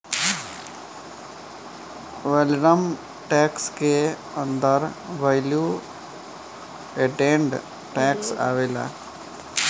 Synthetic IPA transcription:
ʋelnəm | ʈɛːkske | ənd̪əɾʋajlju | eʈẽːɳɖ | ʈɛːksa̰ːʋela̰ː

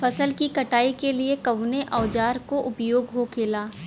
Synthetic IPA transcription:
fʰɐsəlkikɐʈaːikeliekɐʋneʔɔːd͡ʒaːɾkoʔʊpjoːɡɦokʰeːlaː

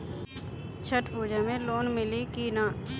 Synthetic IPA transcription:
t͡ʃʰəʈpuːd͡ʒamẽloːnmɪlikiːnãː

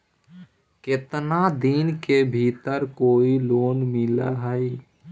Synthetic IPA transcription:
kɪt̪nad̪inkebʱiːt̪əɾkoːiloːnmɪla̰ɦəi

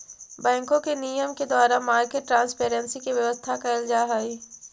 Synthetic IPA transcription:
bɛ̃ːŋkõkeniːjəmked̪waːɾamaːɾkeʈːɾãːnspeːɾə̃nsikiʋjɐʋəst̪ʰakaɪld͡ʒaːɦaːiː

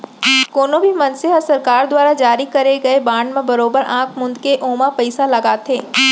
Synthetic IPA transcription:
koːnõbʱimɐnseɦəsɐɾkaːɾd̪waːɾad͡ʒaːɾikɐɾeɡɐebãːɳɖmẽbɐɾoːbəɾʔãːkʰmʊ̃nd̪keʔoːmapɐɪsalɐɡaːt̪ʰeː

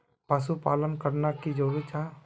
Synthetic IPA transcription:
pəsupaːlənkəɾnakid͡ʒoɾut͡ʃʰa

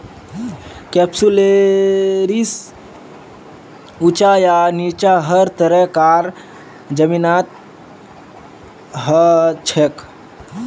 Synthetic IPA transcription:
kɛpsule | ɾis | ut͡ʃajanit͡ʃaɦəɾt̪əɾəkaɾ | d͡ʒəminat̪̚ | ɦət͡ʃʰek

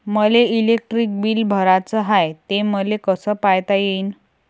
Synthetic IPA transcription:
məleilek̚ʈɾik̚biːlbʱəɾat͡səɦajt̪eməlekəsəpajt̪ajein

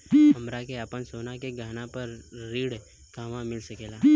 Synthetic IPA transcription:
ɦɐmɾakeapənsoːnakeɡʱaːnãpɐɾːiːɽ | kaːʋãmɪlsɐkeːlaː

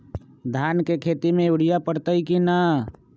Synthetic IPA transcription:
d̪ʱjaːnkekʰeːt̪imẽuɽijapəɽt̪əikina

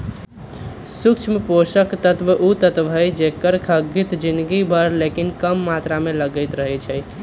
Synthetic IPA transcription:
sukt͡ʃʰmeposəkt̪ət̪ʋəʔut̪ət̪bʱəjd͡ʒekəɾkʰəɡit̪d͡ʒind̪ɡibʱəɾlekinkəmːat̪ɾameləɡəɪt̪ɾəɦɛt͡ʃʰɛj

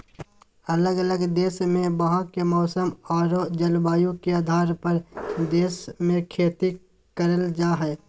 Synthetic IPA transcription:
ɐləɡələɡd̪eːʃmẽbɐɦãkemɔːsəmɔːɾod͡ʒəlbaːjõkeaːd̪ʱaːɾpəɾd̪eːsmẽkʰeːt̪i | kəɾəld͡ʒaːɦɛː

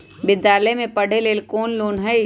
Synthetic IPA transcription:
bɪd̪jaːləmẽpɐɽ̤eleːlkoːnloːnɦɛi

